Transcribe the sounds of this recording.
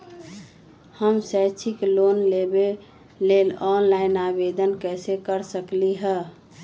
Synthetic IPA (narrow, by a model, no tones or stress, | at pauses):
həmsət͡ʃʰiklonlebe | lelɔnlainabed̪ənkɛsekəɾsəkliɦɛ